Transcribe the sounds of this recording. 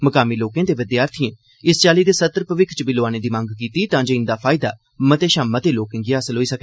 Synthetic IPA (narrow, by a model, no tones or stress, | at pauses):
məkaːmiːloːkẽːd̪eːʋɪd̪jaːɾt̪ʰijẽː | ɪst͡ʃaːliːd̪eːsət̪ːəɾpəʋɪkʰt͡ʃəbiːloːaːneːd̪iːmãŋɡkiːt̪iːt̪ãːd͡ʒoːɪnd̪aːpʰaːɪd̪a̰ː | mət̪eːʃãːmət̪eːloːkɪ̃ŋɡɪaːsəlɦoːiːsəke